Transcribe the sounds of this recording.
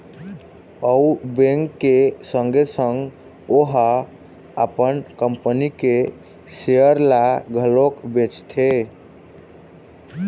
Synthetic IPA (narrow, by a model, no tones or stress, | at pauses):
əubẽŋkːesəŋɡesəŋɡ | oɦa | əpənkəmpənike | seəɾlaɡʱəlokbet͡ʃt̪ʰe